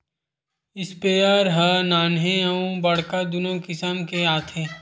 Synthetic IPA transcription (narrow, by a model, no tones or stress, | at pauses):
ɪspeaːɾɦanaːnɦẽɐũbɐɽ̤kad̪ʊnõkɪsəmkeaːt̪ʰẽː